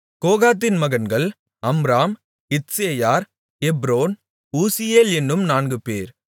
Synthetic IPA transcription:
koːɣaːt̪̬ːɪnmɐɣɐnɡɐɭ | ɐmɾaːm | ɪtseːjaːɾ | ɛbɾoːn | uːsɪjeːlɛnːɯmnaːnɡɯpeːɾ

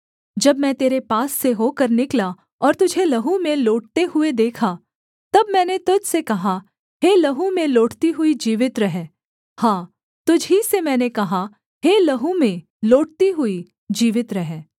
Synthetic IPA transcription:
d͡ʒɐbmɛ̃t̪eːɾepaːsːeɦoːkɐɾnɪkla | ɔːɾt̪ʊd͡ʒʱelɐɦumẽloːʈ̚t̪eɦʊed̪eːkʰa | t̪ɐbmɛ̃ːnet̪ʊd͡ʒsekɐɦa | ɦeːlɐɦumẽloːʈt̪iɦʊid͡ʒiːʋɪt̪ɾɐɦɛ | hãː | t̪ʊd͡ʒʱɦisemɛ̃ːnekɐɦa | ɦeːlɐɦumẽ | loːʈ̚t̪iɦʊi | d͡ʒiːʋɪt̪ɾɐɦɛː

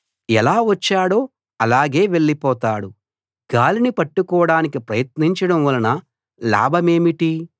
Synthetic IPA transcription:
ɛlaːʋɐt͡ʃːaːɽo̞ː | ɐlaːɡe̞ːʋe̞ɭːipɔːt̪aːɽu | ɡ̥aːlinipɐʈːukɔːɽaːnikipɾɐjɐt̪niɲt͡ʃɐɽɐmʋɐlɐnɐ | la̰ːbʱɐme̞ːmiʈi

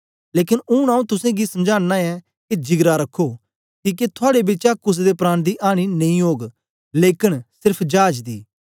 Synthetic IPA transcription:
leːkɪnʊñaːũt̪ʊsẽɡisɐmd͡ʒaːɽnaɛ | kid͡ʒɪɡɾaɾɐkʰːoː | kiːket̪ʰʊaːɽebɪt͡ʃakʊs̬d̪epɾaːñd̪iːʔaːɽ̃inɐ̃ĩoːɡ | leːkɪnsɪɾpʰd͡ʒaːd͡ʒd̪ḭː

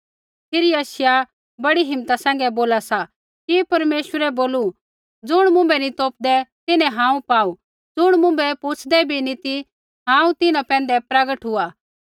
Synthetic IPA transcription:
pʰɪɾiɐʃɪja | bɐɽiɦɪmt̪asɛ̃ːŋ̆ɡɛboːlasa | kipɐɾmeːʃwəɾɛboːlu | d͡zʊɽ̃mʊ̃mbɛnit̪oːp̚d̪ɛt̪ɪnɛ̃ɦãːũpaːu | d͡zʊɽ̃mʊ̃mbɛpʊt͡sʰd̪ɛbʱinĩt̪i | ɦãːũt̪ɪnãpɛ̃ːnd̪ɛpɾaɡəʈɦʊaː

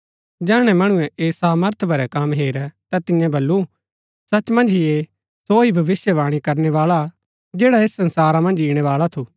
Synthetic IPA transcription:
d͡ʒɛːɽ̃ɛmɐɽ̃ũɛ̃ʔeːsaːməɾt̪ʰbʱɐɾɛkɐmɦeːɾɛt̪at̪ɪ̃jãbɐlːu | sɐt͡ʃmɐ̃nd͡ʒʱie | soibʱɐʋɪsjəʋaːɽ̃ikɐɾnɛʋaːɭa | d͡ʒeːɽaeːsːɐ̃nsaːɾãmɐ̃nd͡ʒiːɽ̃ɛʋaːɭat̪ʰu

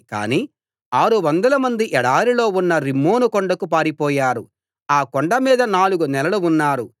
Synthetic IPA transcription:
ka̰ːniː | aːɾuʋɐnd̪ɐlɐmɐnd̪iʔɛɽaːɾilo̞ːunːɐɾimːoːnukɔɳɖɐkupaːɾipɔːjaːɾu | aːkɔɳɖɐmiːd̪ɐnaːluɡunɛlɐluunːaːɾu

